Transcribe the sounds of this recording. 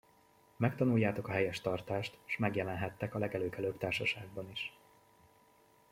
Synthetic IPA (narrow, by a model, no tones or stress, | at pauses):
mɛkt̪ɒnujːaːt̪o̞kɒɦɛjɛʃt̪ɒrt̪aːʃt̪ʃmɛɡjɛlɛnɦɛt̪ːɛkɒlɛɡɛløːkɛløːbt̪aːrʃɒʃaːɡ̚bɒniʃ